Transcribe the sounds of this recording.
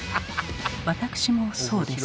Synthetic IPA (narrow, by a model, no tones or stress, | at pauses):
βat̪akɯ̟̥ɕimo̞so̞ːd̪e̞s